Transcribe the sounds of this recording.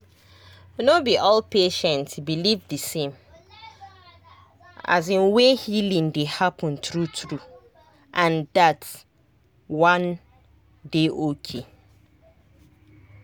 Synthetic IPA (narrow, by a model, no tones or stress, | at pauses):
nobiʔɔlpʰeʃɛ̃ntsbilivdɨsẽm | a̰zĩnwehilĩŋdehapʰə̃ntɹutɹu | ʔãndat | wãn | deʔokʰe